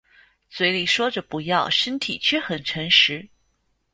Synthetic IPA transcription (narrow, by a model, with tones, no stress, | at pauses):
swe˧˥ɪli˨˩ʂwɔ˥ʈ͡ʂə˨pu˧˥jɑ˥˩ʊʂə˥nt̪ʰi˨˩t͡ɕʰɥɛ˥˩xə˨˩nʈ͡ʂʰɤ˧˥ŋʂɻ̩˧˥